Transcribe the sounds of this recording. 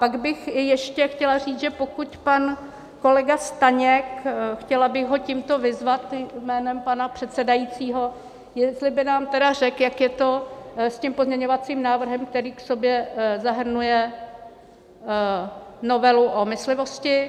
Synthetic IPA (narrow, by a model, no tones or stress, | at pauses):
paɡbɪxɪjɛʃcɛxcɛlar̝iːt͡sʒɛpo̞kucpan | ko̞lɛɡast̪aɲɛkxcɛlabɪɣɦo̞ciːmt̪o̞vɪzvat̪mɛːnɛmpanapr̥ɛt̪sɛdajit͡siːɦo̞ | jɛst̪lɪbɪnaːmt̪ɛdar̝ɛkjakjɛt̪o̞scɪmpozɲɛɲo̞vat͡siːmnaːvr̩ɦɛmk̚t̪ɛɾiːkso̞bjɛzaɦr̩nujɛ | no̞vɛluʔomɪslɪvo̞scɪ